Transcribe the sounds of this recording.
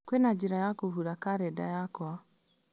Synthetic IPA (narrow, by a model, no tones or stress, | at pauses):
kwɛnad͡ʒiɾajakoɦuɾakaɾɛda̰jakwa